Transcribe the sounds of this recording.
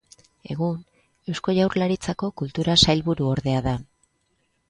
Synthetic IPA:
e̞̰ɣ̞un | e̞wsko̞ʝawrlaɾit͡sako̞kult̪uɾasajlβuɾuo̞ɾðe̞aða

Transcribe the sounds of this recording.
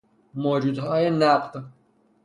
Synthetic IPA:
moːd͡ʒuːd̪ɦɒːjenæqd̪

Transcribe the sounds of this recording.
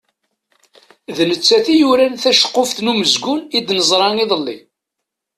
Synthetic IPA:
ðnət͡sːæθijuɾænθæʃə̥qːofθnuməzɡʊnid̪nəzˤɾˤɑniðˤəlːḭ

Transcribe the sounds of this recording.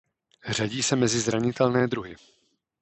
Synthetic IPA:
r̝aɟiːsɛmɛzɪzɾaɲɪt̪ɛlnɛːd̪ɾuɦɪ

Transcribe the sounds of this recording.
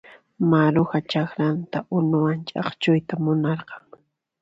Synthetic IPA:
maɾʊxat͡ʃaxɾant̪aʔʊnʊwant͡ʃʼɑ̰χt͡ʃʊjt̪amʊnɑɾqɑŋ

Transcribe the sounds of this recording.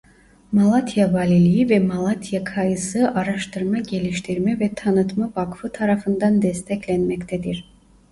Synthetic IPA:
malˠat̪ʰjavalʲilʲijivɛmalˠat̪ʰijakʰajɯsɯʔaɾaʃt̪ʰɯɾmaɟe̞lʲiʃt̪ʰiɾmɛvɛt̪ʰanɯt̪mavakfɯt̪ʰaɾafɯnd̪and̪ɛst̪ʰɛclʲɛnmɛct̪ʰɛd̪iɾ̥

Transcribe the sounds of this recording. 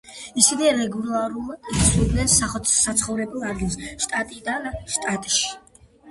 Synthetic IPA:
isivɛɾɛɡulˠaɾulˠdisud̪nɛnsaχɔsat̪sʰχɔvɾɛbɛlˠaɾɡilˠsʃt̪ʼat̪ʼid̪anʃt̪ʼat̪ʼʃi̥

